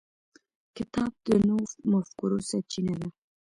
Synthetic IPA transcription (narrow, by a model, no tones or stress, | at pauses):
kɪt̪ɑb̚d̪ənowmafkuɾosat͡ʃinad̪a